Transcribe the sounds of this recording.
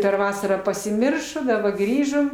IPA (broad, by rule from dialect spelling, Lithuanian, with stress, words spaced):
pʲɛr ˈʋɑːsɐrɑː pɐsʲɪˈmʲɪrʃoː dɐˈbɐ ˈɡrʲiːʒoːm